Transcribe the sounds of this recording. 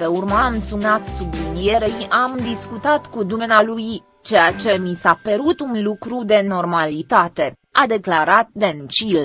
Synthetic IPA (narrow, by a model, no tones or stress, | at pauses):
pe̞urmamsunat̪sublinije̞ɾeiʔamd̪iskut̪at̪kud̪umenaluj | t͡ʃe̞jat͡ʃe̞misapeɾut̪unlukɾud̪e̞no̞rmalit̪at̪e̞ | ad̪e̞klaɾat̪̚d̪e̞nt͡ʃil